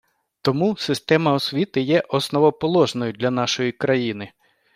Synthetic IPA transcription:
t̪ɔmusɪst̪ɛmɐɔsʲʋʲit̪ɪjɛʔɔsnɔʋɔpɔlˠɔʒnɔjʊd̪lʲɐnɑʃɔjikɾɐjinɪ

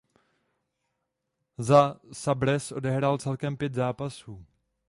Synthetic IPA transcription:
zasabɾɛsʔo̞dɛɦɾalt͡sɛlkɛmpjɛt̪zaːpasuː

